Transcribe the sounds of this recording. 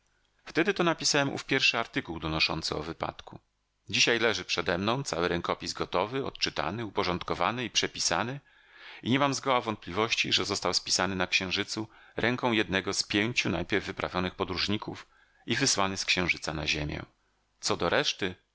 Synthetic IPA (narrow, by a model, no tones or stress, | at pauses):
ft̪ɛd̪ɘt̪ɔnapʲisawɛmʔṵfpʲjɛɾfʂɘaɾt̪ɘkuwd̪ɔnɔʂɔ̰nt̪sɘɔ̰vɘpa̰t̪ku | d͡ʑiɕajlɛʐɘpʂɛd̪ɛmnɔ̃w̃t̪sawɘɾɛŋkɔpʲizɡɔt̪ɔvɘɔ̰t̪t͡ʂɘt̪a̰nɘupɔʐɔnt̪kɔva̰nɘipʂɛpʲisa̰nɘ | iɲɛmamzɡɔwavɔnt̪̚plʲivɔɕt͡ɕiʐɛzɔst̪awspʲi̥sanɘnakɕɛ̃w̃ʐɘt̪su | ɾʔɛŋkɔ̃w̃jɛd̪nɛɡɔspʲjeɲt͡ɕunajpʲɛɾvːɘpɾʔa̰vʲjɔnɘxpɔd̪ɾuʐɲikuf | ivɘswanɘskɕɛ̃wʐɘt̪sana̰ʑemʲjɛ̰̃ | t̪sɔd̪ɔɾʔɛʂt̪ɘ